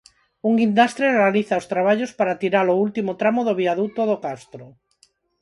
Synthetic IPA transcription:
uŋɡind̪ast̪ɾerealiθaost̪ɾaβ̞aʎospaɾat̪iɾaloult̪imot̪ɾamoðoβiaðut̪oðokast̪ɾo

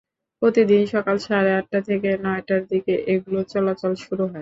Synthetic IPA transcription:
pɾot̪id̪inʃɔkalʃaɾeaʈ̚ːat̪ʰekenɔeʈaɾd̪ikeʔeɡulot͡ɕɔlat͡ɕalʃuɾuɦɔe

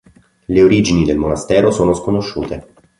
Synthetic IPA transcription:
leoɾiːd͡ʒinid̪elmonast̪ɛːɾosoːnoskonoʃːuːt̪e

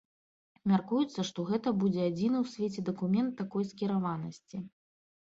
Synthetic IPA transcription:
mʲarkujut̪sːɐʂt̪ɔɣɛt̪ɐbud͡zʲɛad͡zʲinɨwsʲvʲet͡sʲɛd̪ɐkumʲɛnt̪ːakɔjskʲiɾavanɐsʲt͡sʲi

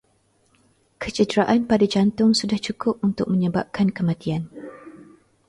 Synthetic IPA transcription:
kʰət͡ʃədɾaʔanpadad͡ʒant̪ʊŋsudaht͡ʃukʊp̚unt̪ʊk̚mə̃ɲəba̰p̚kankəmãt̪ian

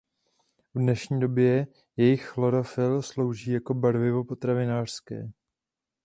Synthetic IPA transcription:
vdnɛʃɲiːdo̞bjɛ | jɛjɪxxloɾofɪlslo̞wʒiːjako̞baɾvɪvo̞po̞t̪ɾavɪnaːr̥skɛ̰ː

